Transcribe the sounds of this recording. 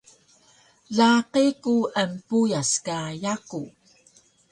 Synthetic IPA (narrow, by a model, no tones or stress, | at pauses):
ɮaqikuəmpujaskajaku